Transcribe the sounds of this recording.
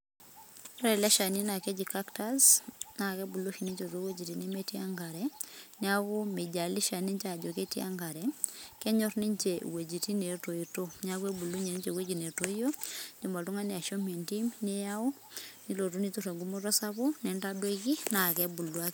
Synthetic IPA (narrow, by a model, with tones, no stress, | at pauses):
ɾɛ˨lɛ˦ʃa˨ni˦na˨kɛ˦d͡ʒi˨ka˦kta˦zna˨kɛ˦bu˨lo˦ʃi˨ni˦ɲt͡ʃo˨to˦we˦d͡ʒi˨ti˨ne˦me˦ti˦a˦ŋɡa˨ɾɛnɪ˦a˦βo˦me˨d͡ʒa˨li˦ʃa˨ni˦ɲt͡ʃa˨d͡ʒo˨ke˦ti˦a̰˦ŋɡa˨ɾɛ˨kɛ˦ɲɔ˦rni˦ɲt͡ʃe˨we˨d͡ʒi˨ti˦ne˨to˨ito˦ɲa˦kwe˦bu˨lu˦ɲe˨ni˦d͡ʒe˨we˦d͡ʒi˨ne˨to˦i˦o˦d͡ʒi˨ma˨to˦ŋa˦ne˨a˨ʃo˦me˨nti˦mne˦ja˦o˦ | ni˦lo˨tu˦ni˦tu˦ɾɛ˨ŋɡu˦mo˦tɔ˦sa˦βo˦ne˨nda˦dwe˦ki˦na˨kɛ˦bu˨lwa˦k